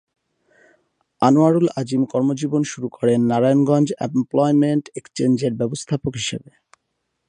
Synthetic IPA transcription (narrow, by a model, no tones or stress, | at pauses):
anoaɾulad͡ʑimkɔɾmod͡ʑibonʃuɾukʰɔɾenːaɾajonɡɔnd͡ʑḛmplɔjmeɳʈekst͡ɕend͡ʑeɾbɛbost̪ʰapokɦiʃebe